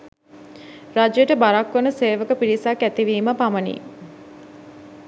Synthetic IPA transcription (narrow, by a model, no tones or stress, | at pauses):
rad͡ʒjəʈəbaɾakʋənəseːʋəkəpilisakːæt̪iʋiːməpamənḭ